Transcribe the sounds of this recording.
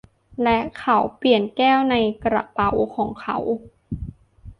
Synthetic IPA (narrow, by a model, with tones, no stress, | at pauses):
lɛ˦˥ʔkʰa˧˥wpli˨˩ənkɛː˥˩wna˧jkɾa̰˧pa˨˩wkʰɔː˩˦ŋkʰa˦˩w